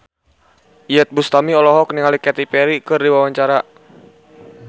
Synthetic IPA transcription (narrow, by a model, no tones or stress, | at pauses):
ijɛt̪̚bust̪amiɔlɔɦɔk̚niŋalikɛt̪ipɛɾikɨrdiwawaɲt͡ʃaɾa